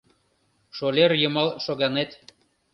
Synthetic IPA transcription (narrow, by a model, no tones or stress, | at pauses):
ʃolʲerjɤ̆mɑlʃoɣɑnet̪